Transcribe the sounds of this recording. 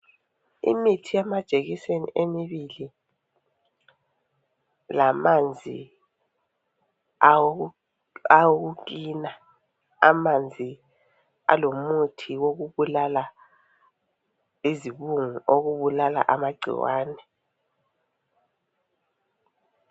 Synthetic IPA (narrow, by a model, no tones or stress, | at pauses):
ḭmitʰijɛmad̥ʒ̥ʱeɣisenḭʔemiβili | lamand͡zʱḭ | awoɣ̬uk̬ina | a̰mand͡zʱi | a̰lomutʰiwoɣuɓulala | iziɓuŋuoɣuɓulala̰ʔamaɡ͡ǀʱḭwa̰ːnɛ